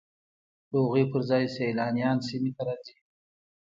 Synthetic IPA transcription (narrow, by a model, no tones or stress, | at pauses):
d̪oɣepəɾzɑjsejlɑnjɑnsimit̪aɾɑzi